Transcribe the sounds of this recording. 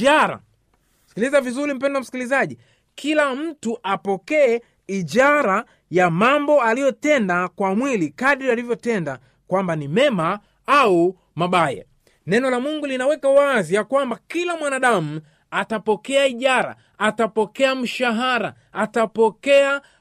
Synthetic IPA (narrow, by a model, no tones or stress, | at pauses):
aɾa̰ | si̥kilizavizuɾim̩pɛndwam̩si̥kilizaʄi | kʰilam̩tuʔapɔkɛɛ | iʄaɾa | jamambɔalijɔtɛndakwamwilikaɗɾialivjɔtɛnda | kwambanimɛma | au | maɓaja̰ | nɛnɔlamuŋɡulinawɛkawazijakwambakilamwanaɗamu | atapɔkɛaiʄaɾa̰ | atapɔkɛam̩ʃaɦaɾa | atapɔkɛa